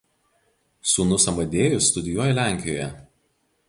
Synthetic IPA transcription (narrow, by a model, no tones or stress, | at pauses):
suːnʊsɐmɐd̪ʲeːjʊst̪ʊd̪ʲɪjuɔjɛlʲæˑŋʲkʲɪjoːjɛ